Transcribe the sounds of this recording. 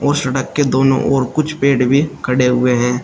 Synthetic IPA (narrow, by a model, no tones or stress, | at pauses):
ɔːɾsɐɽəkːed̪oːnõ̰ʔɔːɾkʊt͡ʃʰpeːɖbʱikʰɐɽeɦʊeɦɛ̃ː